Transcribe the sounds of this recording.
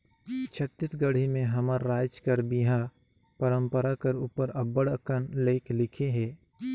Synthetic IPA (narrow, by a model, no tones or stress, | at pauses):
t͡ʃʰət̪ːɪsɡɐɽ̤imẽɦɐməɾːaːt͡ʃkɐɾbiɦã | pəɾə̃mpəɾakɐɾuːpəɾɐbəɽəkənleːklɪkʰeɦɛː